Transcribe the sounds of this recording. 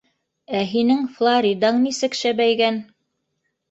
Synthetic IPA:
æɦinɘŋflˠaɾʲid̪ɑɴnisɘ̆kʃæbæjɡæn

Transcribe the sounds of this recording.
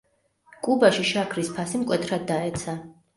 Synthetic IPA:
kʼubaʃiʃakʰɾispʰasimkʼwɛt̪ʰɾad̪ːaɛt̪sʰa

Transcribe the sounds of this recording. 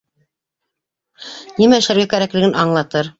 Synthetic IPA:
nimæɘ̆ʃlæɾɡækæɾæklɘ̆ɡɘnʔɑɴlˠɑt̪ɤɾ

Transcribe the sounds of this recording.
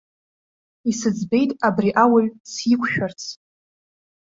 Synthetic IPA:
isɨd͡zbe̞jtʼabriʔawaɥsikʷʰʃᶣart͡sʰ

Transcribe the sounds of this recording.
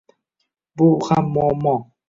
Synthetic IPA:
buxamɔmɔ

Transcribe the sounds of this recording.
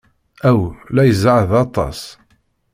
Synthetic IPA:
æwlæjəzʕðɑt̪ˤɑ̰s

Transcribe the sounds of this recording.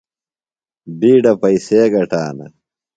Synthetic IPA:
biːɖɐpɐiseːɡɐʈaːnɐ̰

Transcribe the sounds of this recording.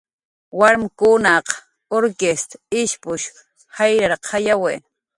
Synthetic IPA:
waɾmkʊnaq | oɾkest̪aɪʃpʊʃ | hajɾaɾqʰɑjawe

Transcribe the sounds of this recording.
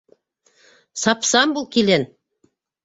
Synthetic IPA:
sɑpsɑmbulˠkilʲen

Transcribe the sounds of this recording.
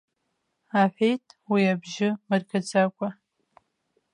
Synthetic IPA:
aħʷᶣejtʼʰwiabʒɪmɨrkʰat͡sʰʼakʷʼa

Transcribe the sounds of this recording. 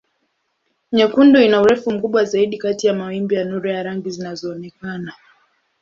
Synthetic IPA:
ɲɛkundɔinauɾɛfum̩kuɓwazaiɗikatijamawimbijanuɾɔjaɾaŋɡizinazɔːnɛkana

